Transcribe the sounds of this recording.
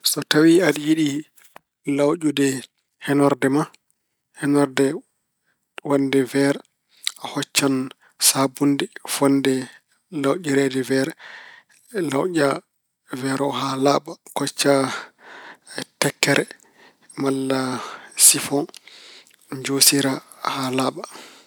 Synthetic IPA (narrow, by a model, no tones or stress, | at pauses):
sɔtawiaɗijiɗi | lawʔudɛ | hɛnɔɾdɛma | hɛnɔɾdɛ | wandɛvɛɾɛ | ahɔt͡ʃːan | sabundɛfɔndɛ | lawɟiɾɛdɛvɛɾɛ | lawʄa | vɛɾɔɦalaɓakɔt͡ʃːa | tɛkːɛɾɛ | malːasifɔ | d͡ʒosiɾahalaɓa